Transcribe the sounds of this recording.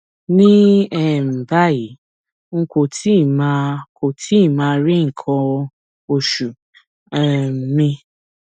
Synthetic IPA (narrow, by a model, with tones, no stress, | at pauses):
nĩ˦ɛ˦˨m̩˨ba˦ji˨˦ | ŋ̩˦ko˨tʰi˦˨mã˧kʰo˨tʰi˦˨mãː˧˦˧ɾi˦ŋ̩˨kʰɔ̃˧ | o˧ʃu˨ | ɛ˨m˨mĩ˧